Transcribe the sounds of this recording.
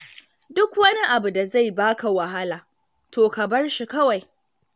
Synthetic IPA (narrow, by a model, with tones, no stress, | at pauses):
dʊ˦kwɐ˦ni˦ʔa˨bu˨da˨za˦˨jbaː˦ka˨wa˨ɦa˦laː˨ | tʰoː˨ka˨bɐ˦rʃi˨kɐ˦wa˨j